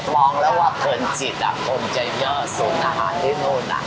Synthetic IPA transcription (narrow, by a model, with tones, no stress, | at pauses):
mɔː˧ŋlɛː˦˥waː˧˥˩pʰɤː˧nt͡ɕi˨˩t̪̚ʔa̰˨˩pʰo˧nt͡ɕa˧jɲɔː˥˩suː˩˦nʔaː˧ɦa̰ː˩˦ndaː˦˥˩t̪oː˧˩nʔa̰˨˧˩